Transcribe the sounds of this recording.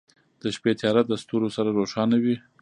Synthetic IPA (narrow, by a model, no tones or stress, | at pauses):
d̪̥əʃpet̪ʰjɑɾat̪̚d̪əst̪uɾosaɾaɾoʃɑnawi